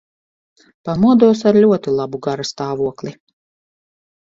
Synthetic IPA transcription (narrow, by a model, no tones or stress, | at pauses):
pamuɔd̪uɔsaɾlʲuɔt̪ilˠabuɡaɾast̪aːvuɔklʲˠi